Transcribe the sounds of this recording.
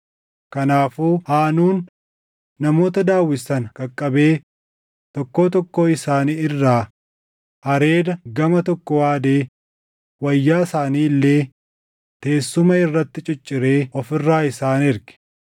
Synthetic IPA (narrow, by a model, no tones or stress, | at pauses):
kɐnaːfuːhaːnuːnː | ɐmo̞ːt̪ɐd̪aːwːɪsɐnkʼɐkʼːɐbe̞ː | t̪ɔkːo̞ːt̪ɔkːoːɪsaːniɪrːaː | hɐɾe̞ːd̪ɐɡɐmɐt̪ɔkːɔwaːd̪e̞ː | wɐjːaːsaːniːlːe̞ː | t̪e̞ːsːʊmɐɪrːɐt̪ːɪt͡ʃʼɪt͡ʃʼːɪɾe̞ːɔfɪrːaːɪsaːnɪɾɡɪ̥